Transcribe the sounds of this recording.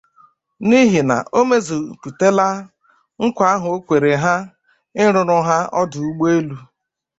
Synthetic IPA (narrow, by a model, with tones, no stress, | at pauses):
ni˦ɦi˨na̰˨ʔo˦me˦zi˨pu˨te˦la˦ | ŋ̩˦kʷa˦ɦʊ˨o˦kʷe˨ɾe˨ɦa˦ | ɪ˦ɾʊ˨ɾʊ˦ɦa˦ɔ˦dʊ˨u˦ɡ͡be˦lu˦